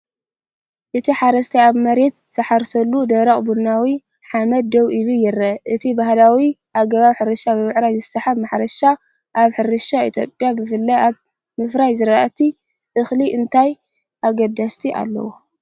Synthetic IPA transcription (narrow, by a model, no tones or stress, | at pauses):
ʔɨt̪ʰiħaɾɐst̪ʰiaβmɐɾe̞t̪zɨtʰɐħaɾsɐlːud̪ɐɾɐχʼbunːawi | ħamɐd̪̚ːɐwilujɪɾɐʔɨt̪ʰibahlawiʔaɡɐβaβħɨɾɨʃabɨmɨʕɾajzɨsɐħaβmaħɾɐʃa | ʔaβħɨɾɨʃaḭt̪ʰjo̞̰pʼjabɨfɨlːɐʔaβ | mɨfɾajzɨɾaʔat̪ʰi | ʔɨxliʔɨnt̪ʰaj | ʔaɡɐd̪ast̪ʰiʔa̰lːɐ̰wo